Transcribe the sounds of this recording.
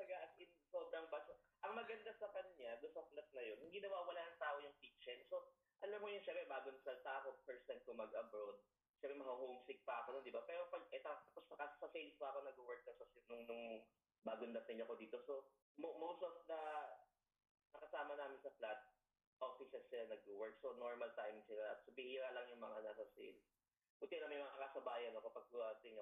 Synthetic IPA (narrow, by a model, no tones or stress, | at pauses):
ɐɐɡaʔɐsɪnsoːbɾɐŋbat͡ʃɐʔɐŋmɐɡɐnd̪asɐkɐnɲad̪ʊsɐplat̪̚nɐjonhɪnd̪iːnɐwaʔɪwɐlaːnɐŋt̪aːʔojʊŋpik̚t͡ʃɛnso̞ | ʔɐlɐmːojʊnʃɛmpɾɛbaːɡonɐsɐlt̪aːɐkopɛɹsɛn̚komɐɡʔɐbɾod̪̚ | ʃɛ̃mpɾɛmɐhɐɦomsɪk̚pɐʔɐkonond̪ɪbapɛːɾopɐʔɛt̪at̪ɐpostɐkɐsɐfenspoʔɐkonɐɡʊwɛɹk̚nɐsɐsɪnʊŋnʊŋ | baːɡʊnd̪ɐt̪ɪɲɐko̞d̪iːt̪o̞so̞ | momowst̪ɔfd̪ɐ | nɐkɐsaːmɐnaːmɪnsɐplat̪̚ | ʔofɪsɛsːɪlanɐɡ̚ʊwɛɹk̚sonoɹmɐlt̪ajmsɪlasobɪhiːɾalɐŋjʊŋmɐŋanasɐsḛn | bʊt̪ɪnɐmɐjmɐŋaʔɐkasɐbaːjɐnɐkopɐɡ̚kʊasɪɲ